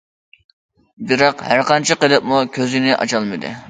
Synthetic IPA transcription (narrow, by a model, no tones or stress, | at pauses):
bɪɾɑqhæɾqɑnt͡ʃʰɪqəlˠɪp̚mukʲʰøzɪnɪʔɑ̰t͡ʃʰɑlˠmɨd̪ɨ̰